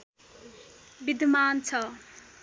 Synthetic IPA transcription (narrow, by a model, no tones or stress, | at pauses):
bid̪ʱmaːnt͡sʰʌ